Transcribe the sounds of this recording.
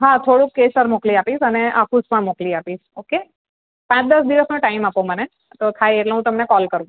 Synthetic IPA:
ɦat̪ʰoɽũkːesəɾmokliapiʃəneʔakʰuspəɳmokliapid͡ʒoke | pãt͡ʃd̪əsd̪iʋəsnõʈaimapoməne | t̪okʰaieʈloɦũt̪əmnekɔlkəɾʋũ

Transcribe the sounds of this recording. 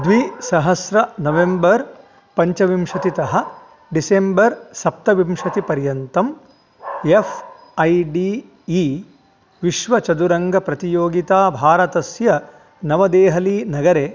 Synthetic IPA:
d̪ʋisɐɦɐsɾɐnɐʋembɐɾ | pɐɲt͡ʃɐʋimʂɐt̪it̪ɐɦɐ̆ | ɖisembɐɾsɐp̚t̪ɐʋimʂɐt̪ipɐɾjɐnt̪ɐm | efʰ | ɐjɖiː | ʋiʃʋɐt͡ʃɐd̪uɾɐŋɡɐpɾɐt̪ijoːɡit̪aːbʱaːɾɐt̪ɐsjɐ | nɐʋɐd̪eːɦɐlinɐɡɐɾeː

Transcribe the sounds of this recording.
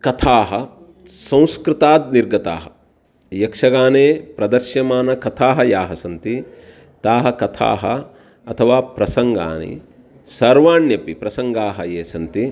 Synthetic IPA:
kɐt̪ʰaːɦɐ | sɐ̃w̃skɾɪt̪aːd̪niɾɡɐt̪a̰ːɦɐ | jɐkʂɐɡaːneːpɾɐd̪ɐɾʃjɐmaːnɐkɐt̪ʰaːɦɐjaːɦɐsɐnt̪i | t̪aːɦɐkɐt̪ʰa̰ːɦɐ̰ | ɐt̪ʰɐʋaːpɾɐsɐŋɡa̰ːnḭ | sɐɾʋaːɳjɐpipɾɐsɐŋɡaːɦɐjeːsɐnt̪i

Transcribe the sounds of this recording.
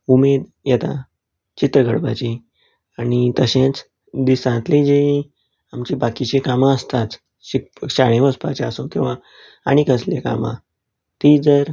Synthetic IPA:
umed̪ | jɛt̪a | t͡ɕit̪ɾəɡəɽba̰t͡ɕi | añit̪əɕẽt͡s | d̪isãt̪lid͡ʑeĩ | amt͡ɕibakit͡ɕekamãəst̪at̪ | ɕik̚ɕaɽ̃ẽʋəspa̰t͡ɕeasokĩw̃ʋa | aɽ̃ikəsleka̰mã̰ | t̪id͡zəɾ

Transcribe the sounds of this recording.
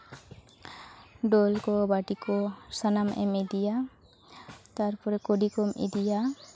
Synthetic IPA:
ɖɔlkɔbaʈikɔsanamɛ̰med̪ija | t̪aɾpɔɾɛkoɖikɔmḭd̪ija

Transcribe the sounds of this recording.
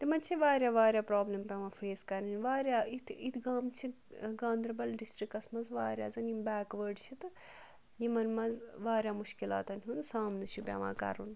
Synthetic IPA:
t̪imɐnt͡ʃʰiʋaːɾʲjaːʋaːɾjaːpɾaːblɐmpʲɐʋãːfʰeːskɐɾninʲʋaːɾjaːit̪ʰit̪ʰɡaːmt͡ʃʰi | ɡãːnd̪ɾɐbɐlɖisʈɾikɐsmɐnzʋaːɾja̰ːzɐnimbɛːkʋəːɖt͡ʃʰit̪ɨ | jimɐnmɐzʋaːɾjaːmuʃkila̰ːt̪ɐnɦʲuːnsaːmnɐt͡ʃʰupʲa̰ːʋã̰ːkɐ̰ɾṵn

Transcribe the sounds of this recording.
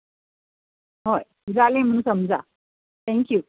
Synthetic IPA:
ɦoj | d͡zalẽm̤əɽ̃ũsəmd͡za̰ | t̪ʰɛ̃ŋkjuː

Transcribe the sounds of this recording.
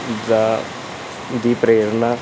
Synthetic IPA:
daː | d̪iːpɾeːɾnaː

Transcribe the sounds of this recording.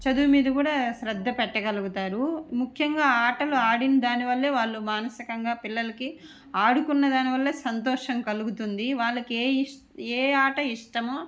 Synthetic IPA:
t͡ʃɐd̪uːmiːd̪ɐkuːɽaːʃɾɐd̪ʱːɐpɛʈːɐɡɐluɡut̪aːɾumukʰjɐŋɡaːaːʈɐluaːɽinɐd̪aːniʋɐlːeːʋaːɭːumaːnɐsikɐŋɡaːpilːɐlɐki | aːɽukunːɐd̪aːniʋɐlːe̞ːsɐnt̪ɔːʂɐmkɐluɡut̪und̪iʋaːɭːɐkeː | eːaːʈɐiʂʈɐmoː

